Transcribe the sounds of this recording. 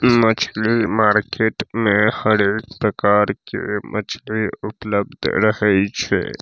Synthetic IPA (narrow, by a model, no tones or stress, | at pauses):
mət͡ʃʰlimaːɾkeʈmẽhəɾek̚pɾəkaɾkḛmʔət͡ʃʰliupləb̚d̪ʱɾəɦɛt͡ʃʰɛ̰